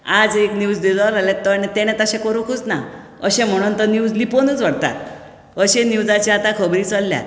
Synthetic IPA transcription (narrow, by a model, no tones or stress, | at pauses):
ad͡zeknjud͡zd̪id͡zalalɛ̃t̪ːənet̪ɛɽ̃ɛ̃t̪əɕɛ̃kəɾukʰut͡sna̰ | əɕẽm̤əɽ̃unt̪ənjud͡zliponət͡sʋəɽt̪a̰t̪ | əɕẽnjud͡zat͡ɕiat̪ãkʰəbɾiːt͡səlːja̰